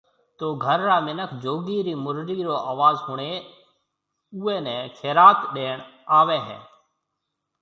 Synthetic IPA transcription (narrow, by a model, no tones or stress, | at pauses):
t̪oːɡʱəɾɾaːmɪnəkʰd͡ʒoːɡiːɾiːmʊɾɾiːɾoːʔaːʋaːzɦʊɳ̃eː | uːeːnɛ̃ːkʰeːɾaːt̪ɗeːɳaːʋeːɦɛ̰ː